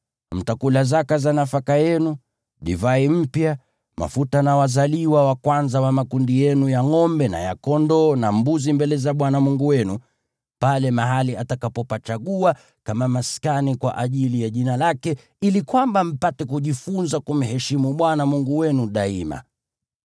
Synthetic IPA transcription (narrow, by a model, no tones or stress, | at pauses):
m̩takulazakazanafakajɛnu | ɗivaim̩pja | ma̰futanawazaliwawakwanzawamakundijɛnujaŋɔmbɛna̰ja̰kɔndɔnambuzimbɛlɛzaɓwanamuŋɡuwɛnu | palɛmaɦaliatakapɔpat͡ʃaɠua | kamamaskanikwa̰ʔaʄilijaʄinalakɛ | ilikwambam̩patɛkuʄifunzakum̩hɛʃimuɓwanamuŋɡuwɛnuɗaima̰